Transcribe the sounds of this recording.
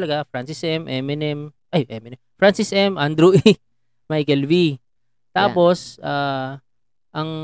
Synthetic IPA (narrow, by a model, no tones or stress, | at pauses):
lɐɡafɾansɪsʔɛmʔɛmɪnɛmʔɐjʔɛmɪnɛmfɾansisʔɛmʔand̪ɾuʔi | majkɛlvi | t̪aːpo̞saː | ʔɐŋ